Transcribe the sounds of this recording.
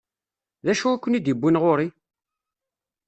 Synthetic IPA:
ðæʃuækʷːənid̪ibːinʁoɾi

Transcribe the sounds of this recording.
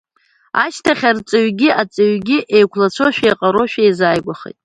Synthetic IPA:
a̰ʃtʰaχʲart͡sʼɨɥɡʲɪʔat͡sʼɨɥɡʲɪʔejkʷʰlat͡sʷʰoʃᶣejqʼaɾoʃᶣejzaːjɡʷaχḛtʼ

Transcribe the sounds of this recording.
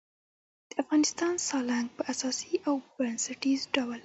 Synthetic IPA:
d̪̥əafɣɑnɪst̪ɑnsɑlaŋɡ̚pəasɑsiʔawbɾansaʈizɖawəl

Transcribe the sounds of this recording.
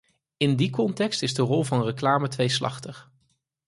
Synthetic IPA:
ɪndikɔntɛkstɪzdərɔlˠvɑnrəklaːmətʋejslɑ̰χtəχ

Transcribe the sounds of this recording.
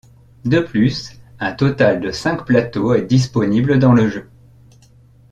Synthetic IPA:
d̪əplysɛ̃t̪ɔt̪ald̪əsɛ̃kplat̪oɛd̪is̬pɔnibləd̪ɑ̃ləʒø

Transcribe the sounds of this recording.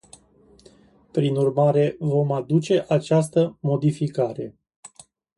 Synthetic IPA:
pɾinurmaɾe̞vo̞mad̪ut͡ʃe̞ʔat͡ʃast̪əmo̞d̪ifikaɾe̞̰

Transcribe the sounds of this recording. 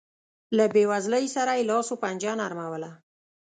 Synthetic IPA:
labewazləjsaɾajlɑsopand͡ʒɑnaɾmawəla

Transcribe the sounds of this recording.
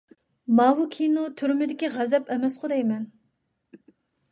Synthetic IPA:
mɑːɦukʲʰinut̪ʰyɾmɪd̪ɪkʲiʁɛzɛpɛmɛsqʰʊd̪ɛjmɛn

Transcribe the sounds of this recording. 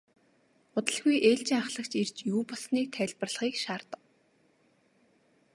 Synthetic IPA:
ʊt̪ə̆ɮɣujʔeːɬt͡ɕiːŋaχɮə̆kt͡ɕert͡ɕjuːpɔsniːt̪ʰæɮʲpə̆rɮ̆χiːkʃaːrt̪ə̆w

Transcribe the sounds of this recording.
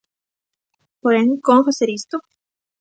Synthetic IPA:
poɾeŋkomfaseɾist̪o

